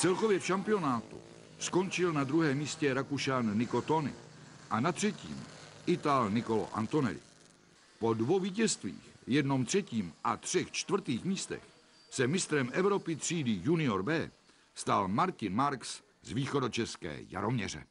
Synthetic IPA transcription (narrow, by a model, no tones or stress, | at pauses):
t͡sɛlko̞vjɛfʃampɪo̞naːt̪ṵ | sko̞nt͡ʃɪlnad̪ɾuɦɛːmiːscɛɾakuʃanːɪko̞t̪onɪ̰ʔanat̪r̝̥ɛcḭːmʔɪt̪alnɪko̞lo̰ʔa̰nt̪o̞nɛ̰lɪ̰ | po̞dvowviːcɛst̪vḭːxjɛdno̞mt̪r̝̥ɛciːmʔat̪r̝̥ɛxt͡ʃt̪vr̩t̪iːxmiːst̪ɛ̰x | sɛmɪst̪ɾɛmʔɛvɾo̞pɪt̪r̝̥iːdɪjunɪo̞ɾbɛː | st̪almaɾcɪnmaɾks | zviːxo̞do̞t͡ʃɛskɛ̰ːja̰ɾo̞mɲɛ̰r̝ɛ̰